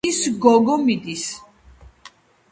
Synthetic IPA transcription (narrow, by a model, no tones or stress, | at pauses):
isɡɔɡɔmid̪is